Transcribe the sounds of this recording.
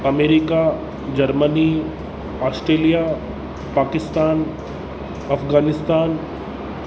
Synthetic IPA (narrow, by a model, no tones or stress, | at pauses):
ɐmeːɾika | d͡ʒɐɾməni | aːsʈɾeːlija | paːkɪst̪aːn | ɐfɡaːnɪst̪aːn